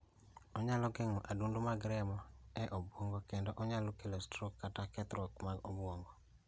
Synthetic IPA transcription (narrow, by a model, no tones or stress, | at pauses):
ɔɲalɔɡɛŋɔʔadundomaɡɾɛmɔɛʔobwoŋɡɔkendɔʔɔɲalokelostɾokːatakɛt̪ɾwɔkmaɡobwoŋɡɔ